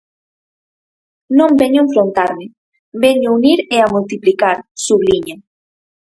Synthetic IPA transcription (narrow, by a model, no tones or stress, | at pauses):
nõmbeɲoẽɱfɾont̪aɾmɪ | beɲouniɾeamult̪iplikaɾsuβliɲa